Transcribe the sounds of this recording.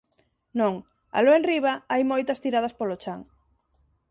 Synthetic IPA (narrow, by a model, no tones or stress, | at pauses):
nõŋ | a̰loẽnriβ̞ɐajmojt̪ɐst̪iɾað̞ɐspolot͡ʃaŋ